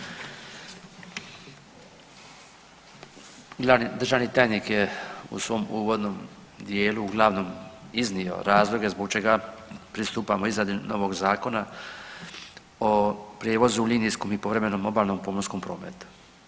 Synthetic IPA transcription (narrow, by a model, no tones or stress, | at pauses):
ad̪ɾrʒaːʋnit̪aːjnikje̞ṵsʋo̞muːʋo̞d̪nom | d̪je̞ːluːɡlˠaːʋno̞miznio̞̰ɾaːzlˠo̞ɡe̞zboɡt͡ʃe̞ɡapɾist̪uːpamoizad̪ino̞ʋo̞ɡzaːko̞na | opɾjeːʋo̞zuliːnijskomipo̞ʋɾeme̞nomo̞baːlno̞mpomosko̞mpɾo̞ːmḛt̪u̥